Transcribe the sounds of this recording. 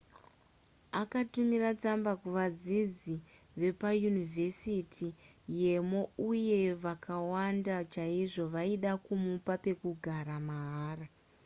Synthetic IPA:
akatumirat͡sambakuʋad͡zid͡zi | ʋe̞pajunivʱe̞sitʰije̞mo̞uje̞ʋakʰawandat͡ʃaiʐo̞ʋaiɗakumupape̞kuɡʱaɾamaɦaːra

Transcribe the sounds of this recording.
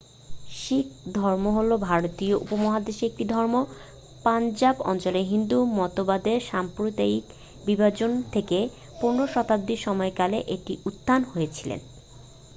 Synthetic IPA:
ʃik̚d̪ʱɔɾmoɦolobʱaɾot̪ijoʔṵpomɔɦad̪eʃeek̚ʈid̪ʱɔɾmo | pand͡ʑabɔ̰nt͡ɕoleɦind̪umɔt̪obad̪eɾʃampɾot̪aik | bibad͡ʑont̪ʰeke | puɾnːoɾʃɔt̪ab̚d̪iʃɔmɔekaleʔeʈiʔut̪ːanhojet͡ɕʰilḛn

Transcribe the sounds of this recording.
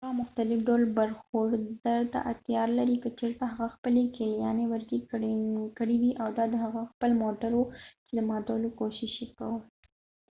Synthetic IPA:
amʊxt̪alɪfɖalbaɾxoɖd̪aɾt̪a̰ʔat̪jɑɾlaɾikət͡ʃeɾt̪aɦaɣaxpəlekeljɑnewəɾkikkəɽiw̪iʔawd̪ɑd̪əɦaɣaxpəlmoʈaɾwut͡ʃed̪əmɑd̪alokoʃɪʃekaw

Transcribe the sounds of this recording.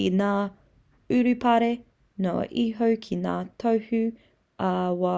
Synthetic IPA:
inaː | ʉɾʉpʰɐɾe | no̰ʔiɦowkʰina̰ːtʰowhʉ | ʔɐwa

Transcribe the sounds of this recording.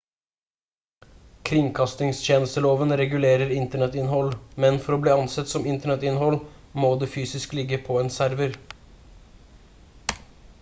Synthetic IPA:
kʰɾɪŋkʰɑst̪ɪŋst̪eːnəst̪əloːʋənɾɛɡʉleːɾəɾɪnt̪əɳɛt̪ɪnhɔlmɛnfɔɾoːbliːɑnsɛt̪sɔmɪnt̪əɳɛt̪ɪnɦɔl | moːd̪eːfyːsɪsklɪɡːəpʰɔeːnsæɾʋəɾ

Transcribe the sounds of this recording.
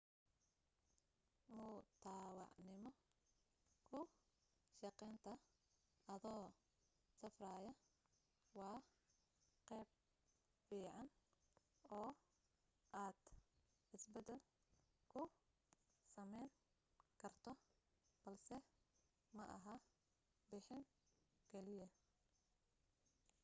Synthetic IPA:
mʊt̪ʰaːwɑ̰ʕnɪmɔ | kʰʊ | ʃɑqɛjnt̪ʰɐ | ɐðɔː | sɐfraːjɐ | wɑː | qɛːb̚ | fiːʕɑn | ɔː | ʔaːd̪̥ | ħɪsbɐd̪ɛl | kʰʊ | sɐmɛjn | qkʰɐrt̪ʰɔ | b̥ɐlsɛ | mɐʔɐ̰ɦɐ | bɪħɪŋ | ɡʰɛlɪjɐ

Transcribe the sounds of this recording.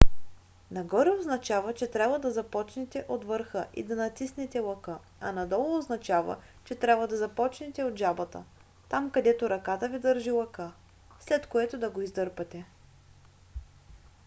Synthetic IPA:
nɐɡɔɾɛoznɐt͡ʃavət͡ʃɛt̪ɾʲabvəd̪ɐzɐpɔt͡ʃnɛt̪ɛʔot̪vəɾxəʔḭd̪ɐnɐt̪isnɛt̪ɛlˠɐkɤ | ɐnɐd̪ɔlˠoːznɐt͡ʃavə̰ | t͡ʃɛt̪ɾʲabvəd̪ɐzɐpɔt͡ʃnɛt̪ɛod̪ʒabət̪ə̰ | t̪amkɐd̪ɛt̪oɾɐkat̪əvid̪əɾʒilˠɐkə | slɛt̪koɛt̪od̪ɐɡoizd̪ɤɾpɐt̪ɛ

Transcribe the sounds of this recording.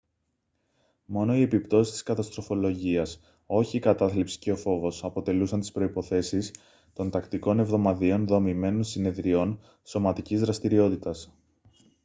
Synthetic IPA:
mo̞no̞ie̞pipt̪o̞si̥st̪i̥skɐt̪ɐst̪ɾo̞fo̞lo̞ʝiɐs | o̞çikɐt̪ɐθlipsi̥ceo̞fo̞vo̞sɐpo̞t̪e̞lusɐnt̪ispɾo̞ipo̞θe̞sis | t̪o̞nt̪ɐkt̪iko̞ne̞vðo̞mɐðio̞nðo̞mime̞nonsine̞ðɾio̞n | so̞mɐt̪icizðɾɐst̪iɾio̞t̪it̪ɐs

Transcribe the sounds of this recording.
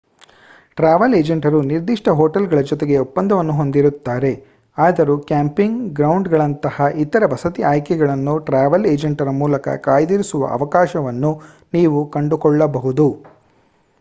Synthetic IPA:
ʈɾaːʋɐleːd͡ʒɐɳʈɐɾuniɾd̪iʂʈɐɦoːʈɐlɡɐɭɐd͡ʒɔt̪eɡe̞upːɐnd̪ɐʋɐnːuɦo̞nd̪iɾut̪ːaːɾe̞ | aːd̪ɐɾukjaːmpiŋɡɡɾɐwɳɖɡɐɭɐnt̪ɐhɐit̪ɐɾɐʋɐsɐt̪iʔaːjkɛɡɐɭɐnːuʈɾaːʋɐleːd͡ʒɐɳʈɐɾɐmuːlɐkɐ̰kaːjd̪iɾisuʋɐ̰ʔɐ̰ʋɐkaːʃɐʋɐnːu | niːʋukɐɳɖukɔɭːɐbɐɦud̪u

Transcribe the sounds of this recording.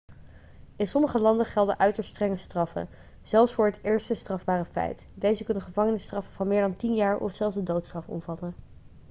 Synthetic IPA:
ɪnsɔməχəlɑndəχɛlˠdəʔœɥtəɹstrɛŋəstrɑfə̰n | z̥ɛlˠfsfʊːɹɦətɪːɹstəstrɑvbaːrəfɛ̰jtdejzəkɵnənχəvɑŋənɪstrɑfəv̥ɑnmɪːɹdɑntinjaːɹʔɔ̰fsɛlˠzdədowtstrɑfɔ̰mvɑtən

